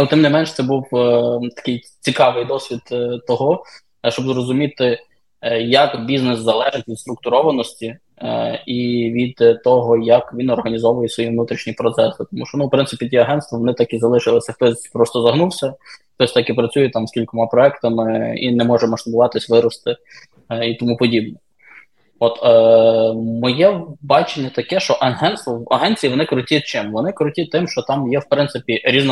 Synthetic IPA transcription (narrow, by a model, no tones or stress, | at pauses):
t̪ɪmnɪmɛnʃt̪sɛbuwt̪ɐ̥kɪj | t͡sʲikɑʋɪjd̪ɔsʲʋʲid̪t̪ɔɦɔ | ʃt͡ʃɔbzɾɔzʊmʲit̪ɪ | jɐkbʲiznɪszɐlˠɛʒɪtʲʋʲid̪st̪ɾʊk̚t̪ʊɾɔʋɐnɔsʲtʲi | iʋʲid̪t̪ɔɦɔjɐkʋʲinɔrɦɐnʲizɔʋʊjɛsʋɔjiʋnut̪ɾʲiʃnʲipɾɔt̪sɛsɪt̪ɔmuʃt͡ʃɔnuwpɾɪnsɪpʲitʲiɐɦɛnt̪ʋɐʋɔnɪt̪ɑkizɐlˠɪʃɪlˠɪsʲɐxt̪ɔsʲpɾɔst̪ɔzɐɦnuwsʲɐxt̪ɔsʲt̪ɑkɪpɾɐt͡sʲujɛt̪ɑmskʲilʲkɔmɑpɾɔɛkt̪ɐmɪḭnɛmɔʒɛmɐʃt̪ʊbʊʋɑt̪ɪsʲʋɪɾɔst̪ɪ | it̪ɔmupɔdʲib̚nɛ | ɔt̪ː | mɔjɛbɑt͡ʃenʲːɐt̪ɐkɛʃt͡ʃɔʔɐɦɛnt̪st̪ʋɔɐɦɛnt͡sʲijiʋɔnɪkɾʊtʲit͡ʃɪmʋɔnɪkɾʊtʲit̪ɪmʃt͡ʃɔt̪ɑmjɛwpɾɪnt̪sɪpʲiɾʲizn